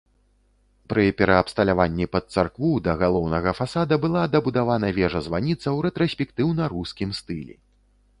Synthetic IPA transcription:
pɾɨpʲɛɾɐːpst̪ɐlʲavanʲːipɐt̪̚sarkvud̪ɐɣalˠɔwnɐɣɐfasad̪ɐbɨlˠad̪ɐbud̪avanɐvʲɛʐɐzvanʲit̪sɐwɾɛt̪ɾɐsʲpʲɛkt̪ɨwnɐɾuskʲimst̪ɨlʲḭ

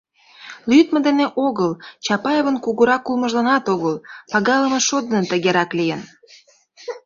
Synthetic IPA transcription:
lyd̪mə̆d̪eneʔoɣəlt͡ɕɑpɑjeβənkuɣuɾɑkːulmə̆ʒlɑnɑt̪oɣəlpɑɣɑləmə̆ʃod̪ənət̪ə̆ɣeɾɑklijən

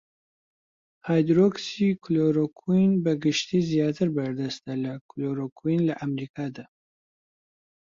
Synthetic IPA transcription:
haːjd̪ɾoksikʰloɾokʰunbɐɡɨʃt̪iːzijɑːt̪ʰɨɾbɐɾd̪ɐst̪ɐlɐkʰloɾokʰuinlɐʔamɾiːkʰaːd̪a

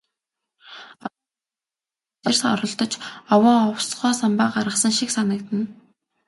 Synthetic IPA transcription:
ersɔ̰ɾɞ̆ɬt̪ɞ̆t͡ɕɔwɔːɔwsɢœːsampaːɢaɾə̆χsə̆ŋʃiksanə̆k̚t̪ɘ̆n

